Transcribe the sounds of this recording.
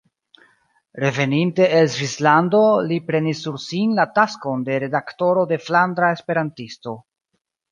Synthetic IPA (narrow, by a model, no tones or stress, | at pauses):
ɾe̞ve̞ninte̞ʔelzvislando̞lipɾe̞nisːuɾsinlatasko̞nde̞ɾe̞dakto̞ɾo̞de̞flandɾae̞spe̞ɾantisto̞